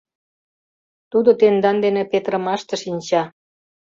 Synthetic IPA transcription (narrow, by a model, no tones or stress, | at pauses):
t̪ud̪ot̪end̪ɑnd̪enepet̪ɾə̆mɑʃt̪ə̆ʃinʲt͡ɕɑ